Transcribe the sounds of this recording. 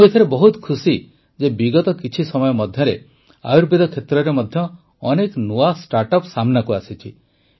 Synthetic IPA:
uet̪ʰaɾebɔɦut̪kʰusi | d͡ʒebiɡɔt̪ɔkit͡ʃʰisɔmɔjɔmɔd̪ʱjɔɾe | a̰juɾbid̪ʱɔkʰet̪ɾɔɾemɔd̪ʱjɔː | neknuasʈaɾʈɔpsamnakuasit͡ʃʰi

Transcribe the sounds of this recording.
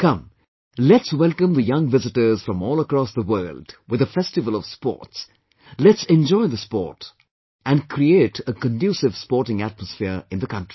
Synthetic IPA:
kʌ̃m | lɛtswɛlˠkə̃mðəjʌ̃ŋvɪzɪʈə˞z̥fɾʌ̃mɔːlˠəkɾɔsðəwɜːldwɪðəfɛstɨvəl̩ˠɔv̥spɔ̰ːts | lɛtsɛ̃nd͡ʒɔɪðəspɔ̰ːt | ʔæ̃nkʰɾieːtʰəkə̃ndjusɪvspɔːɹʈɪ̃ŋætməsfɪɾɪ̃nðəkʌ̃ntɹ̥i̥

